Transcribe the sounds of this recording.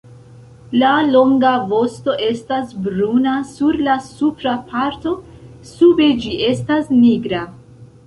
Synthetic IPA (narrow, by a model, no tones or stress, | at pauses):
lalo̞ŋɡavo̞sto̞ʔe̞stasbɾunasuɾlasupɾapʰaɾto̞ | sube̞d͡ʒiʔe̞stasniɡɾa